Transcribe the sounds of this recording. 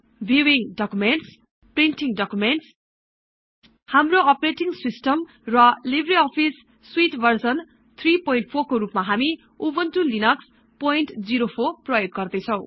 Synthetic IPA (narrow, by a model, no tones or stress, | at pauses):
bʱiwiŋɖʌkumenʈs | prinʈiŋɖʌkumenʈs | hamroʌpreʈiŋsisʈʌm | rʌlibriʌpʰisː | wiʈbʱʌrsʌn | t̪ʰripojinʈ̚pʰorkoɾupmaɦami | ubʌntulinʌks | pojnʈd͡ziɾopʰorprʌjoɡːʌrd̪ʌjt͡sʰʌw̃